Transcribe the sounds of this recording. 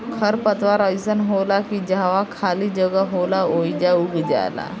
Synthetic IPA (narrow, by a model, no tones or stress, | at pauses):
kʰəɾpət̪ʋaɾəjsənɦolakid͡ʑaʋakʰaliːd͡ʑəɡaɦolaojd͡ʑauɡd͡ʑa̰la̰